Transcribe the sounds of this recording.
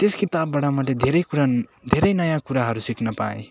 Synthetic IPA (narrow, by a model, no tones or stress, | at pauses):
t̪eskit̪abːaɽamat̪led̪ʱeɾʌjkuɾad̪ʱeɾʌjnʌjãkuɾaɦʌɾusikʰnʌpaḛ̃